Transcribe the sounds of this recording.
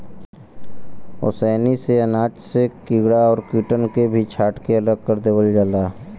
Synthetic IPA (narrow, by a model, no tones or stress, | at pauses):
ʊ̰sɛːniseɐnaːt͡ʃsekiːɡɽaɔːɾkiːʈənkebʱit͡ʃʰaːʈkeɐləɡ̚kəɾd̪eːwəld͡ʒalaː